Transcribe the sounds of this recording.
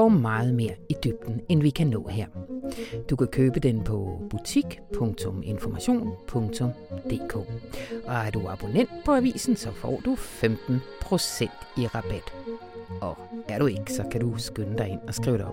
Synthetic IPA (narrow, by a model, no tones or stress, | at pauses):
ɒːmɑ̈ːð̞̩ˠme̝ːɐid̥yb̥̚d̥n̩enʋikʰænɔ̰̽ːheɐ̰d̥ukʰækʰøːb̥əd̥enpʰɒ̽b̥ut͡sʰiɡ̥pʰɔ̽ŋt͡sʰɔ̽me̝nfɒmæɕo̝̰ːnpʰɔ̽ŋt͡sʰɔ̽m | d̥e̝ːkʰo̰ːʔɒ̽æɐd̥uɑ̈b̥onen̰d̥̚pʰɒ̽æʋḭːsn̩sɒ̽fɒ̰ːd̥ufemd̥n̩pʰʁo̝sen̰d̥iʁɑ̈b̥æd̥ | ɒ̽æɐɾ̥ue̝ɡ̥əsɒ̽kʰædusɡ̥ønəd̥ɑ̈ɪe̝n̰ɒ̽sɡ̥ʁḭːʊɾeɒ̽b